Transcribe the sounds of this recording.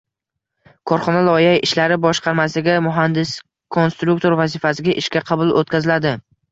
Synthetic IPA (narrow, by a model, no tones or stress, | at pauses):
kʰɒɾχɒnalˠɒɪjajɪʃlaɾɪbɒʃqɑɾmasɪɡʲamʊɦand̪ɪs | kʰo̞nst̪ɾuk̚t̪ʰo̞ɾvazɪfasɪɡʲaʔɪʃkʲaqʰɑbʊlˠot̪̚kʰʲazɪlad̪ɪ